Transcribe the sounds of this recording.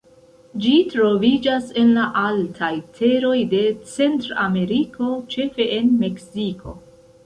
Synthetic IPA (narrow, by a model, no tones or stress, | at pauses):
d͡ʒitɾo̞vid͡ʒase̞nlaʔaltʰajtʰe̞ɾo̞jde̞t͡se̞ntɾame̞ɾikʰo̞t͡ʃe̞fe̞ʔenme̞ksikʰo̞̰